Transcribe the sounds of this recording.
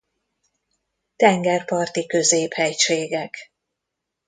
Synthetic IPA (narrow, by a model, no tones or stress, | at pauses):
t̪ɛŋɡɛrpɒrt̪ikø̞zeːphɛjʃeːɡɛk